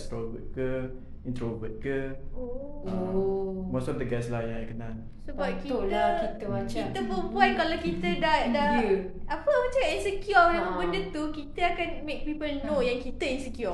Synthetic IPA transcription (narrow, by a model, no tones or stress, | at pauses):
st̪ɾobət̪̚kə | ĩnt̪ɾobət̪̚kəo | o | mosɔfd̪əɡɛslajãajkənal | səbap̚kikit̪əmat͡ʃit̪əpəumpɔjkalakit̪ədadauapəmãt͡ʃainsəkjɔjãbəndət̪ukit̪əakanmek̚pipəlnojãŋkit̪əinsikjɔ